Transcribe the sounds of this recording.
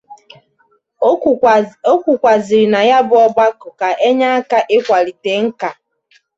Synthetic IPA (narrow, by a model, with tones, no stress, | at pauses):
o˦kʷu˨kʷa˨zi˨ɾi˨na˨ja˦bʊ˦ɔ˦ba˦kʊ˨ka˨ʔe˦ɲa˦a˦ka˨ʔe˦kʷa˨ɾi˨te˨ŋ̩˦ka˨